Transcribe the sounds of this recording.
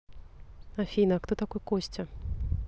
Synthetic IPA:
afʲinɐkt̪ɔt̪akɔjkɔsʲt͡sʲɐ

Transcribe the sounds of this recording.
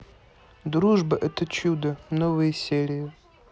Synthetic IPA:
d̪ruʐbɐʔɛt̪ət͡ʃud̪ənovɨjəsʲeɾʲɪjʊ

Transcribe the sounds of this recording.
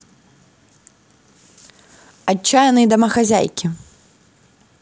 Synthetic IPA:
at͡ʃːajɐnɨjd̪ɐmɐxazʲa̰jkʲi

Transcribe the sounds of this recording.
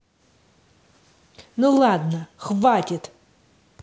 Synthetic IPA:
nulˠad̪nəxvatʲɪt̪

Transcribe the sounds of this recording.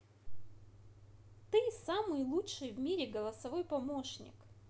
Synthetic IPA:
t̪ɨsamɨjlˠutʂɨjvmʲiɾʲɪɡəlˠɐsɐvo̞jpɐmoʂnʲɪ̰k

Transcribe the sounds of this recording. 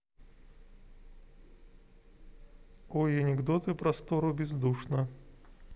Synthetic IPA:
ojɐnʲɪɡd̪ot̪ɨpɾɐst̪oɾʊbʲɪzd̪uʂnə

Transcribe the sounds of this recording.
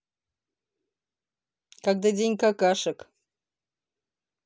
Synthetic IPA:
kaɡd̪adʲenʲkakaʂɨk

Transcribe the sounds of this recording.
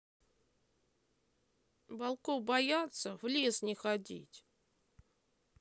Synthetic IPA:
bɐlˠkobɐjat̪sːəvlʲesnʲɪxɐdʲḭtʲ

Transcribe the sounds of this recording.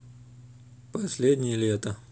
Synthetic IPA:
pɐsʲlʲed̪ʲnʲɪjəlʲet̪ə

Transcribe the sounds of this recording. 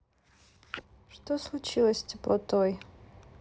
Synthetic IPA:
ʂtoslˠut͡ʃʰilˠɐsʲtʲʰeplˠɐtʰoj

